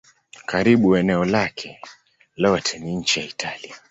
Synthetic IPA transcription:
kaɾiɓuɛnɛɔlakʰɛ | lɔtʰɛniɲ̩t͡ʃijaitʰalia

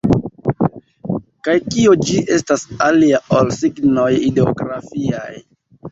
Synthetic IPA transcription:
kajkiod͡ʒiʔe̞stasaliaolsiɡno̞jideo̰ɡɾafia̰j

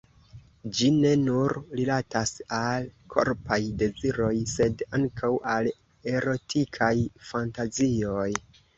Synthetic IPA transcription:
d͡ʒine̞nuɾɾilatasalkʰo̞̰ɾpajde̞ziɾo̞jse̞daŋkʰawʔal | e̞ɾo̞tʰikʰajfantazio̞j

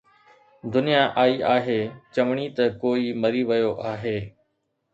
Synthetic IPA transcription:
d̪ʊnijaːʔaːiːʔaːɦeːt͡ʃəʋɳ̃it̪ɐkoːiːməɾiːʋəjoːʔaːɦeː

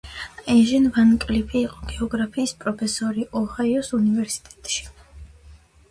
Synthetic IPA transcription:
ɛʒɛnvankʼlipʰiːqʼɔ̥ɡ̥ɛɔɡɾapʰiːspʼɾɔpʰɛsɔɾiʔɔhaiɔsunivɛɾsi̥t̪ʼɛt̪ʼʃi̥

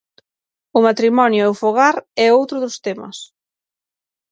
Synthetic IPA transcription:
ʊmat̪ɾimɔnjʊɛʊfoɣ̞aɾɛowt̪ɾʊðʊst̪emɐ̰s

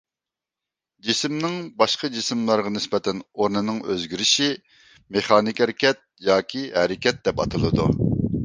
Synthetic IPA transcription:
d͡ʒisɪmnɪŋbɑʃqʰɑd͡ʒisɪmlˠɑɾʁɑnɪspɛt̪ʰɛnoɾnɨnɨŋøzɡʲyɾɪʃi | meχɑːnɪkʲæɾɪkʲɛt̪̚jɑːkʲʰiɦɛɾɪkʲɛt̪̚d̪ɛpɑt̪ʰɨlˠɨd̪ṵ

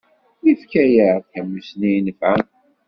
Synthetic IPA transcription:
jifkæjəθħəmːəsninəfʕæ

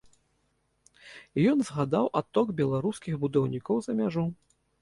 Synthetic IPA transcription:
ijɔnzɣad̪awʔat̪ːɔɡbʲɛlˠaɾuskʲiɣbud̪awnʲikɔwzɐmʲaʐu

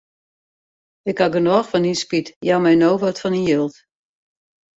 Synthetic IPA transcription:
ɪkhaɡənɔːxfɔninspitjamɛjnoːvətfɔninjølˠt

